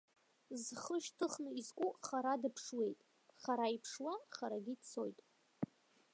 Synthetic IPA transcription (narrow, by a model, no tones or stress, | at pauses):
zχəʃtʰɨχnɨizkʷʼuχaɾadɨpʰʂwe̞jtʼ | χaɾaipʰʂwaχaɾaɡʲidt͡sʰo̞̰jtʼ